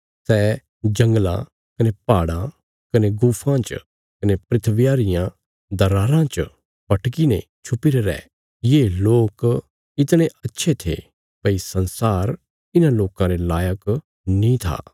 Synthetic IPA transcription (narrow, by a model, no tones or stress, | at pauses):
sɛː | d͡ʒɐ̃ŋɡlã̰ | kɐnepaːɽã | kɐneɡuːpʰãt͡ʃ | kɐnepɾɪt̪ʰʋɪjaːɾɪjã | d̪ɐɾaːɾãt͡ʃ | pɐʈʰkinẽ | t͡ʃʰʊpɪɾeɾɛ̰ː | jeːloːk | ɪt̪ɽ̃eʔɐtːʃʰet̪ʰḛ | pɐisɐ̃nsaːɾ | ɪnãloːkãɾelaːjək | nĩt̪ʰa̰ː